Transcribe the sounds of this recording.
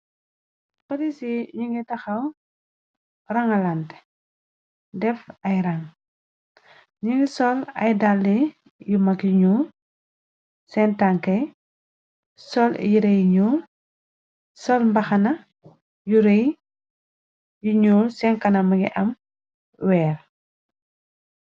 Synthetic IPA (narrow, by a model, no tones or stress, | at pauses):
fɐdisiɲuŋɡitɐxɐw | rɐŋɐlɐnt | dɛfɐjɾɐŋ | ɲuŋɡisɔlɐ̰jdalːi | jumɐkuɲu | sɛntaŋkɛ | sɔl̰jiɾɛjɲu | sɔlmbɐxɐnɐ | juɾɛj | juɲuːsɛnkɐnɐmɐɡḭʔɐm | wɛːɾ